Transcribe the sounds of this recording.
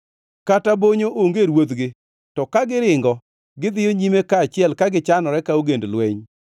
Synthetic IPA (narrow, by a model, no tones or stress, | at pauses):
kataboɲoʔoŋɡeɾwod̪ɡɪ | tɔkaɡɪɾɪŋɡɔ | ɡɪd̪ɪjoɲimekaːt͡ʃɪɛlkaɡɪt͡ʃanɔɾɛkaoɡendlwɛɲ